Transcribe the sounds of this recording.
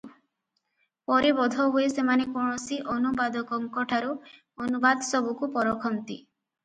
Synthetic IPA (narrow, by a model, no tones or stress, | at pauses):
pɔɾebɔd̪ʱɔɦuesemanekɔɳ̃ɔsiʔɔnubad̪ɔkɔŋkɔʈʰaɾu | ɔnubad̪ɔsɔbukupɔɾɔkʰɔmt̪i